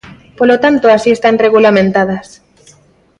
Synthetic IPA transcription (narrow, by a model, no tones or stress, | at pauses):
polot̪ant̪oasiest̪anreɣulamẽnt̪að̞as